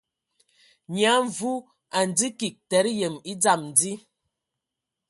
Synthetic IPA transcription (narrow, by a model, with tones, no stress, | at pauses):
ɲa˨˦ɱ˨vu˦ | a˨n˨d͡zi˦ki˨k̚tɛ˨˦ɾjə˨mi˦d͡za˦˨mn̩˨d͡zi˦